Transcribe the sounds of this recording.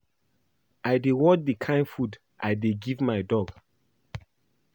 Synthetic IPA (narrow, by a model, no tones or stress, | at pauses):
ajdewɔt͡ʃdikʰãɪ̃nfud | ʔajdeɡivmajdɔɡ